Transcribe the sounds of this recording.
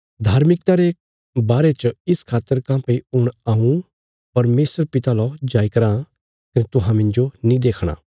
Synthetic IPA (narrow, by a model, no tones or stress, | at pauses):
d̪ʱaːɾmɪk̚t̪aɾe | baːɾet͡ʃɪskʰaːt̪ːəɾkãːpeiʊɽ̃aːũ | pɐɾmeːsəɾpɪt̪alɔd͡ʒaːikɐɾã | kɐnet̪ʊɦãmɪ̃nd͡ʒonĩd̪eːkʰɽ̃a̰ː